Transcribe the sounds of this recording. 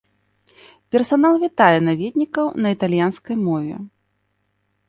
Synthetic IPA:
pʲɛrsanalˠvʲit̪ajɛnavʲɛd̪ʲnʲikɐwnɐit̪alʲjanskɐjmɔvʲɛ̰

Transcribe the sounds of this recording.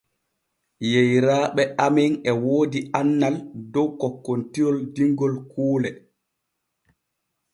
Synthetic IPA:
jejɾaːɓɛʔamɛŋɛwoːdianːaldɔwkɔkːontijɔldiŋɡɔlkuːlɛ

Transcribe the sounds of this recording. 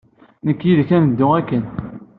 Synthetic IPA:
nəkːjiðkænəd̪ːʊækːən

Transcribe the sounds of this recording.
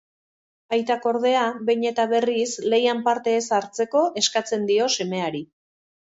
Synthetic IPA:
ajt̪ako̞ɾðe̞aβejɲe̞t̪aβe̞risle̞jampaɾt̪e̞ːsaɾt͡se̞ko̞ʔe̞skat͡se̞nd̪io̞se̞me̞aɾi

